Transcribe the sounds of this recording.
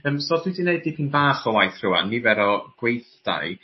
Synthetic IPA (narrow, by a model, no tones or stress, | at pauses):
əːmsɔːdwidɪneɨdipʰinbaːχɔwajθr̥ʊwa̰nːivɛɾɔɡ̥wejθd̥a̰j